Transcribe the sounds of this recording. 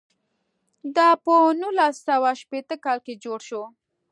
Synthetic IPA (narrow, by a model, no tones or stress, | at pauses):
d̪ɑpənulasawaʃpet̪əkɑlked͡ʒoɽʃo